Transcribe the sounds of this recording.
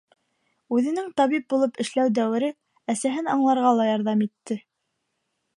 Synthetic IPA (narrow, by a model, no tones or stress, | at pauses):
ʉðɘ̆nɘŋt̪ɑβip̚bulˠɤpɘ̆ʃlæwd̪æwɘ̆ɾɘ | æsæɦɘnɑɴlˠɑɾʁɑlˠɑjɑɾðɑmit̪ːɘ